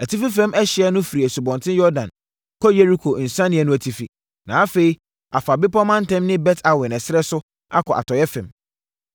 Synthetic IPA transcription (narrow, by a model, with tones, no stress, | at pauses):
æ˨tʰi˦fi˦fɛ̃˦mʔɛ˦ɕɪ˨˦ɛ˦nʊ̃˦fi˨ɾi˨æ˨su˨bɔ̃˨ntʰɪ̃˦jɔ˦dã̰˨n | kʰɔ˦je˦ɾi˦kʰo˨n̩˨sã˦nɪ̃˨ɛ˦nʊ̃˦æ˨tʰi˦fi˨ | nã˨a˦fe˨i˦ | a˨fa˨bɪ˦pɔ˦mã˦n˦tɛ̃˦mnɪ̃˦bɛ˦tʰa˨wɪ˨nɛ̃˨sɪ˦ɾɛ˦sʊ˦ | a̰˦kʰɔ˨ʔa̰˨tʰɔ˨jɛ˦fɛ̃˨m